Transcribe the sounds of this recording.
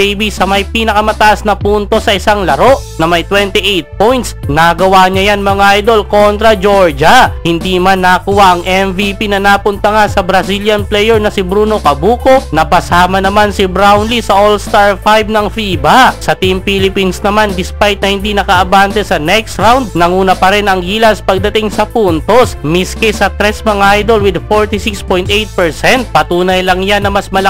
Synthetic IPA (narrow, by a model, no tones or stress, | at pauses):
ejbisɐmɐjpiːnɐkɐmɐt̪ɐʔasnɐpuːnt̪o̞sɐʔɪsaŋlɐɾo̞ʔnɐmɐjt̪wɛnt̪iʔejt̪̚pojnt̪snɐɡɐwaɲɐjanmɐŋaʔajd̪o̞lko̞nt̪ɾɐd͡ʒo̞ɹd͡ʒɐhɪnd̪iːmanːɐkuwaʔɐŋʔɛmvipinɐnapʊnt̪ɐŋasɐbɾɐsiljɐnplɛjɛɹnɐsɪbɾuːno̞kɐbuːko̞nɐpɐsaːmɐnɐmansɪbɾawnlisɐʔolst̪aɹfajbnɐŋfiːbɐsɐt̪impiːlɪpinsnɐmand̪ɪspajt̪̚nɐhɪnd̪inɐkɐʔɐbaːnt̪ɛsɐnɛkst̪ɾawnd̪̚nɐŋuːnɐpɐɾɛnɐŋɡiːlɐspɐɡ̚d̪ɐt̪ɪŋsɐpunt̪osmiskɛsɐt̪ɾɛsmɐŋʔajd̪o̞lwɪd̪foɹt̪isikspojnt̪ʔejt̪̚pɛɹsɛnt̪̚pɐt̪uːnɐjlɐŋjanːɐmɐsmɐlɐ